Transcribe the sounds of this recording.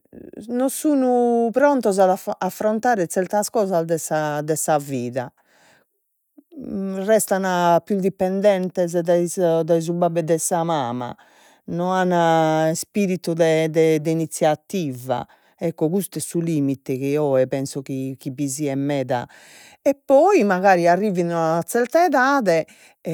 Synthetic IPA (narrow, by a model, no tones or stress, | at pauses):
nɔsuːnupɾɔnt̪ɔzaðaafːɾɔnt̪aːɾɛt̪sɛɾt̪askɔːzazd̪ɛsad̪ɛsaviːða | rɛst̪anapjud̪ipːɛnd̪ɛnt̪ɛz̬d̪ɛzd̪ɛz̬ubabːɛd̪ɛsamaːma̰ | nɔanːaspiɾit̪ud̪ɛd̪ɛd̪ɛinit̪sːjat̪ːiːva̰ | ɛkːɔɣust̪ɛsuliːmit̪ɛkiɔɛpɛnsɔkik̟iβiziɛmːɛːða̰ | ɛpːɔimaɣaːɾiarːiːvinunat̪sɛɾt̪ɛðaːðɛ